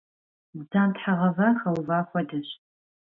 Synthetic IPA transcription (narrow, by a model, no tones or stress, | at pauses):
bzaːmtħaʁɐvaːχɐwvaːxʷɔdɐɕ